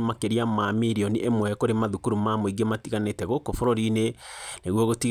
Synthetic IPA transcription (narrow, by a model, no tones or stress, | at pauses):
makeɾiamamiɾiɔniʔemwɛkoɾemaðukuɾumamoiɡematiɣanetɛɣokofɔɾɔɾineneɣwɔɣotiɣ